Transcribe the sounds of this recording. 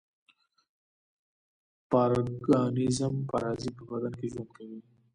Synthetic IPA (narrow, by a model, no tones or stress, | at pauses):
paɾɡɑnɪzəmpaɾɑzipəbad̪ankeʒomkawi